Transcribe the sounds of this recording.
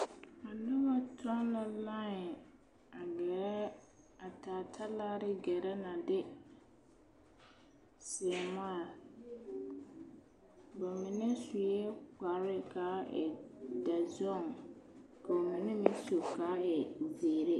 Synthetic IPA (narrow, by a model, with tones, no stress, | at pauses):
a˨nʊ˦ba˦tʰɔ˦nla˦lã˦˨ | a˨ɡɛ˨ɾɛ˦ | a˨taː˨tʰa˦laː˦ɾɪ˦ɡɛ˨ɾɛ˦na˨dɪ˦ | sɪ˨ma˦˨l | ba˨mɪ˨nɛ˦sʊ˨jɛ˦k͡pa˨ɾɪ˦kaː˨˦ɛ̰˨da˨zɔ˦˨ŋ | ka˨o˨mĩ˨nɛ˦mĩ˦so˨kaː˨˦ɛ˨zeː˨ɾe˦